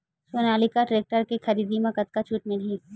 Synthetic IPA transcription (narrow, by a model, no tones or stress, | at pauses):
soːnaːlikaʈɾeːk̚ʈəɾkixɐɾiːd̪imẽkɐt̪kat͡ʃʰuːʈmɪlɦĩ